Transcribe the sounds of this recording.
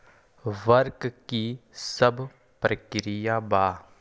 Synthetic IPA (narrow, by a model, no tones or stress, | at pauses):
ʋəɾkkisɐbʱ | pɾəkɾijabaː